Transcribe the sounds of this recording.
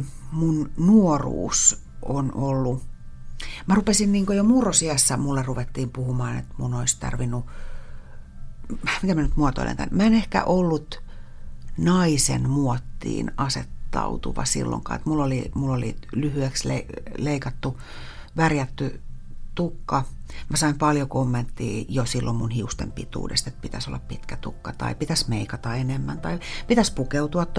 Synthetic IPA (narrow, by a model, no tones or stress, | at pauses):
munnuorṵːs | onʔolːu | mærupesinniːŋkojomuːrosiæsːæmulːeruʋet̪ːiːmpuhumɑːnḛt̪munoist̪ɑ̰rʋinːu | mik̪æmænyt̪muot̪o̰ḭlḛŋk̪æ̰nmæenehkæ̰ʔolːut̪ | nɑisḛnmuot̪ːḭːnɑset̪ːɑ̰ut̪uʋɑ̰sḭlːo̰ŋkɑ̰ːḛt̪mulːolimulːolḭlyhyekslḛleikɑt̪ːu | ʋærjæt̪ːyt̪ukːɑmæsɑimpɑljokomːent̪ːḭːjosilːommunhiust̪ḛmpit̪ṵːdḛst̪et̪̚pit̪æso̰lːɑppit̪kæt̪ukːɑt̪ɑ̰ipit̪æsmeikɑt̪ɑenemːænt̪ɑipit̪æspukeut̪uɑt̪ː